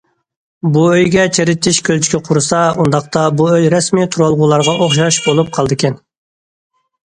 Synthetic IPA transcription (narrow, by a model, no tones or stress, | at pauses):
buøjɡʲɛt͡ʃʰeɾɪt̪ʰːɪʃkʲʰølt͡ʃʰi̥kʲʰɛqʰʊɾɨsɑund̪ɑqt̪ɑbuøjɾɛsmit̪ʰuɾɑlˠʁuːlˠɑɾʁɑʔoχʃɑʃbolˠup̚qʰɑlˠd̪ɨkʲʰɛn